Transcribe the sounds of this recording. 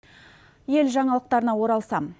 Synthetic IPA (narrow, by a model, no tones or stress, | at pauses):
je̞lʒɑɴɑlˠəq̚t̪ɑɾənɑwo̞ɾɑlˠsɑm